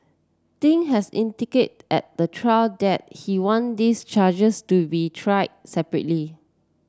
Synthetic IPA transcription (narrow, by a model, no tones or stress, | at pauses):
tĩŋɦɛsḭ̃ndiket̚ɛ̰t̚d̥ətʰɹaldɛt̚hiwɔ̃ndist͡ʃad͡ʒəstubitʰɹaɪsɛpɹə̰tli